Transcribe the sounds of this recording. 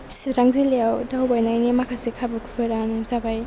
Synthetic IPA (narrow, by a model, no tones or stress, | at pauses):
sɾaŋziliawdawbajnajnimakʰasikʰabɯkʰupʰɯɾanazabaj